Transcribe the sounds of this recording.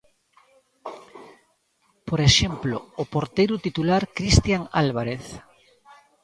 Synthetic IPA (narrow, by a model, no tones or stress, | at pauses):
poɾeʃemploːpoɾt̪ejɾut̪it̪ulaɾkɾist̪jaŋalβ̞aɾeθ